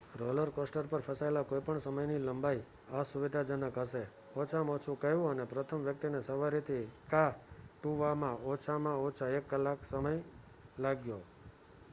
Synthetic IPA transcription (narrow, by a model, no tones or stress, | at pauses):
ɾɔləɾkɔsʈəɾpəɾpʰəsaelakojpəɳsəməjniləmbai | asuʋid̪ʱad͡ʒənəkɦəʃe | ɔt͡ʃʰamɔt͡ʃʰũkəjũənepɾət̪ʰəmʋjək̚t̪inesəʋaɾit̪ʰikaʈuʋamãɔt͡ʃʰamãɔt͡ʃʰaekːəlːaksəməj | laɡjo